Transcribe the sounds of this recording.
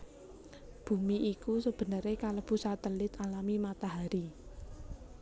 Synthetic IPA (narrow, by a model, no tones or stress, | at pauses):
b̥ṳmiʔikusəb̥ə̤nəɾekaləpusat̪əlɪt̪alamimat̪aɦaɾi